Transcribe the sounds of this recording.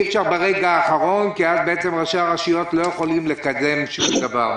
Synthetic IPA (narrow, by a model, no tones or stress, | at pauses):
ifʃaʁbeʁeɡaːχaʁo̞nkiazbe̞et͡se̞mʁaʃaaʁaʃijo̞t̪lo̞jeχo̞limle̞kad̪e̞mʃumd̪avaʁ